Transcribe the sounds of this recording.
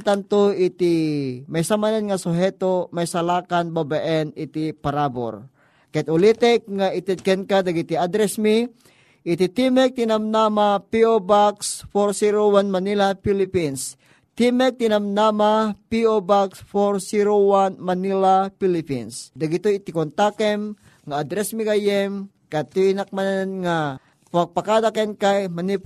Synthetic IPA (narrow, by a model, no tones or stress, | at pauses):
lt̪ant̪oɪt̪imajsamanɛnŋasoɦɛt̪omajsalaːkanbabaʔɛnɪt̪ipaɾabo̰ɾ | kaɛt̪ʊlit̪ɛk̚ŋaʔɪt̪ɛd̪̚kɛnkad̪aɡit̪iad̪ɾɛsmi | ʔɪt̪it̪imɛk̚t̪ɪnamnamapiobaksfoɾsiɾowanmanilapilipins | t̪imɛk̚t̪inamnamapiobaksfoɾsiɾowanmanilapilɪpḭnsd̪aɡit̪ojt̪ikont̪akɛm | ŋaad̪ɾɛsmikajɛm | kat̪unak̚mannŋa | paɡ̚pakad̪akɛnkajmani